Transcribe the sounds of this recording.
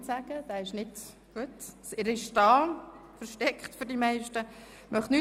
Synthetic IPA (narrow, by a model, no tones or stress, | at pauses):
tsæɡ̥əd̥æːɪʃnɪd | ɡ̥uətsɪɾɪʃdɑːfəɾʃtɛkχt̪fʏɾdimɛɪʃtə | mʔœχtny